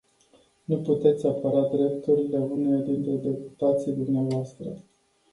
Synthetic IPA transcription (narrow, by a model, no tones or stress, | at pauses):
nuput̪e̞t̪sʲapəɾad̪ɾe̞pt̪uɾile̞unejad̪int̪ɾe̞d̪e̞pu̥t̪at̪siejd̪umneavoast̪ɾə̰